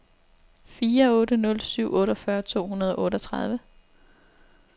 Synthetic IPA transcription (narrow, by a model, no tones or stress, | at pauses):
fiːɐɔ̽ːɾənɔ̽lsyʊ̰ʔɔ̽ːɾɒfɶɐt͡sʰo̝̰ːhunɐð̞ˠɒ̽ʔɔ̽ːɾəɒt͡sʰʁɑð̞ˠʋə